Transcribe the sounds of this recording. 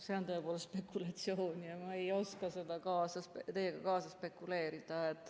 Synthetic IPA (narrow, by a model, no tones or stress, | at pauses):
se̞o̞nt̪o̞epoːlest̪spe̞kːˑulɑt̪sioːnʲjɑmɑejo̞skɑse̞d̪̥ɑkɑːsɑst̪e̞jeɡ̥ɑkɑːsɑspe̞kːˑule̞ːɾid̪̥ɑet̪ːˑ